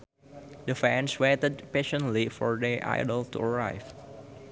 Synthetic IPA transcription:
d̪əfɛ̃nswetəd̚peʃə̃ntlifɔɹdiʔa̰ɪdəltṵəɹaɪv

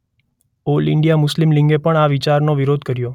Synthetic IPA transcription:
olɪ̰ɳɖjamʊslimlĩŋɡepəɳaʋɪt͡ʃaɾnoʋiɾod̪ʱkəɾjo

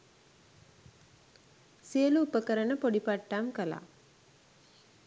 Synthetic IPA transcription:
siəluːpəkəɾənəpoɖipaʈːaːmkəla̰

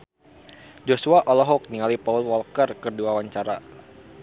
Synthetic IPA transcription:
d͡ʒosuaʔɔlɔɦɔk̚niŋalipaulwɔlkərkərduawaɲt͡ʃaɾa

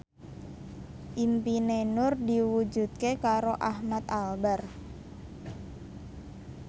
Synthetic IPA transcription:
ʔimpinenʊrdiwud͡ʒut̪̚kekaɾoʔahmat̪albar

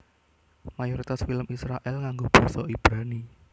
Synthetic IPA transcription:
majɔɾit̪asfiləmisɾaʔɛlkaŋɡob̥ɔ̤sɔib̥ɾani

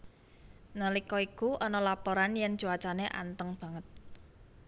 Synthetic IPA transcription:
nəlikɔikuʔɔnɔlapɔɾanjɛn̥ʒ̥uat͡ʃaneʔa̰nt̪əŋb̥ä̤ŋət̪̚

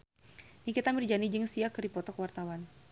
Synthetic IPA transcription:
nikit̪amərd͡ʒanid͡ʒɨŋsiakɨɾipɔt̪ɔkwart̪awan

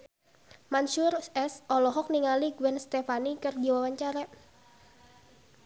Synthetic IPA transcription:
manʃurɛsɔlɔɦɔk̚niŋaliɡwɛnst̪efanikɨrdiwawaɲt͡ʃaɾa

